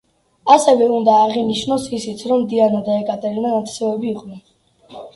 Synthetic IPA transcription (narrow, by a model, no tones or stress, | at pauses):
asɛvɛund̪aːʁiniʃnɔsisit̪sʰɾɔmːd̪ianad̪aɛkʼat̪ʼɛɾinanat̪ʰsɛɛbiːqʼnɛn